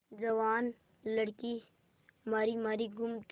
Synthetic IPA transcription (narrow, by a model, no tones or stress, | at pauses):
d͡ʒɐʋaːn | lɐɽki | maːɾimaːɾiɡʊmt̪